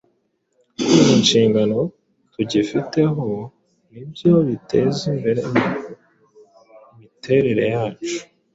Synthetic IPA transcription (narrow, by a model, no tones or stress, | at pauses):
kumunʃiːŋɡano̞ | tuɟifite̞ɦo | nibjo̞βitʰe̞zimbe̞ɾe | mitʰe̞ɾe̞ɾe̞jaːt͡ʃu̥